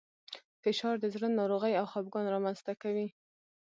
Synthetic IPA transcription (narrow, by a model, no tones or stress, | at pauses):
fɪʃɑɾd̪əzɾənːɑɾoɣəjawxɑb̚ɡɑnɾɑmanz̥t̪akawi